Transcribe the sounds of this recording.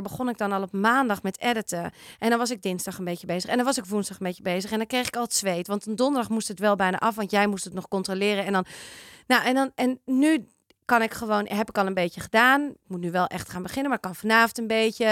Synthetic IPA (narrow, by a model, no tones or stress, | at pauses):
bəχonɪk̚dɔnɔlˠɔpmaːndɑxmɛtɛdətəʔɛndɔnʋɑs̬ɪk̚dɪnzdɑχənbeːjəbezəxɛndɔnʋɑsɪkfunzdɑxənbetjəbeːzəxɛndɔnkrejxɪ̥kɔlˠətsʋeːtʋɑntəndondəɹdɑχmustətʋɛlˠbɛjna̰ʔɑfʋɑntjɛjmustətnɔxkɔntrolɪːɾəɛndɔnnoʔɛndɔnɛnːy | kɑnɪkχəʋoːnɦɛpɪkɔlˠənbeːtjəxədaːnmutnyʋɛlˠʔɛxtxaːnbəχɪnəmaːɹɪkːɔnfɔnaːfntənbeːtə